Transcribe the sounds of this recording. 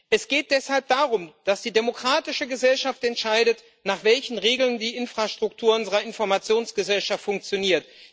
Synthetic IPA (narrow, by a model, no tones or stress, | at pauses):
ʔɛsɡ̥eːt̚d̥ɛshalp̚d̥aːʁʊmd̥asd̥iːdemokʁ̥aːtɪʃəɡəzɛlʃaftɛntʃaɪdət | naːχv̥ɛlçn̩ʁeːɡl̩ndiːʔɪnfʁ̥aʃtʁ̥ʊk̚tʰuːɐʊnzəʁɐɪnfɔɐmat͡sjoːnsɡ̥əzɛlʃaftfʊŋk̚t͡sjoniːɐt